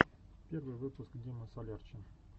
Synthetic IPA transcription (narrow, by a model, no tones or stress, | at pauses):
pʲervɨjvɨpʊskdʲimʲəsɐlʲart͡ɕɪ